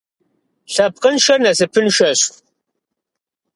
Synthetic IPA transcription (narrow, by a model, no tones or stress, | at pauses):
ɬɐp̚qənʃɐrnɐsɨpʰɨnʃɐɕ